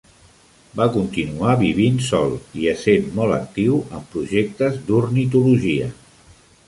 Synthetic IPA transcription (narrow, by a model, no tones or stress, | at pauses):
bakunt̪inuaβiβ̞insɔ̰lˠiəsenmɔlə̰k̚t̪iwəmpɾuʒek̚t̪əzd̪uɾnit̪uluʒiə